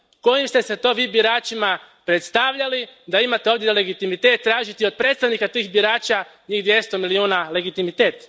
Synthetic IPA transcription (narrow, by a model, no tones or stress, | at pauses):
ko̞jimst̪e̞set̪o̞ʋiːbiɾaːt͡ʃimapɾet̪st̪aʋʎalid̪aimat̪eo̞ʋd̪jele̞ɡit̪imit̪e̞ːt̪ːɾaːʒit̪io̞d̪̚pɾet̪st̪aʋnikat̪iːxbiɾaːt͡ʃa | ɲiːɣd̪ʋje̞st̪o̞miliuːnale̞ɡit̪imit̪eːt̪